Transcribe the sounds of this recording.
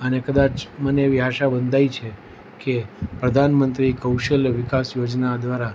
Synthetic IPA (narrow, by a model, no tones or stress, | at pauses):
ənekəd̪at͡ʃməneʋiɦaʃabənd̪ʱajt͡ʃʰe | kepɾəd̪ʱanmənt̪ɾikəwʃəlʋɪkasjod͡ʒnad̪ʋaɾa